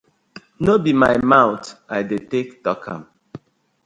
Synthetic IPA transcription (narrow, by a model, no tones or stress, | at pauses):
nobimajmãʊtajdetektɔkʰã̰m